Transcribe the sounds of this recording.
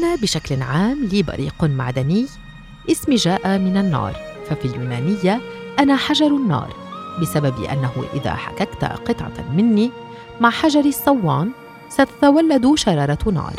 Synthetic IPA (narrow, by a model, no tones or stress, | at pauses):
ʔanaːbɪʃaklʕaːmliːbɑ̰ɾḭːqma̰ʕd̪anɪj | ʔɪsmiʒaːʔamɪnanːɑ̰ːɾˤfafiːljuːnaːnɪjːaʔanaːħaʒɑɾˤanːɑ̰ːɾˤbɪsabab̰ʔa̰nːaɦhʊ̰ʔɪ̰ða̰ːħa̰kakt̪a̰qɨt̪ˤʕɑ̰mɪnːi | maʕħaʒɑɾˤɪsˤːɑwːɑ̰ːn | sat̪ḁt̪awalːad̪uʃɑɾˤɑːɾˤɑnɑ̰ːɾˤ